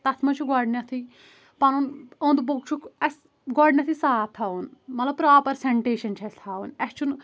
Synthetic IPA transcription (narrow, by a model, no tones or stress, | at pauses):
t̪ɐt̪ʰmɐnt͡ʃʰuɡɔːɖnjat̪ʰi | pɐnunõːnd̪boɡ̚t͡ʃʰukɐs | ɡɔːɖnʲjat̪ʰisaːt̪ʰːaːunmɐt̪lɐb̚pɾaːpɐɾsɛɳʈeːʃɐnt͡ʃʰɛt̪ʰaːunɛst͡ʃʰun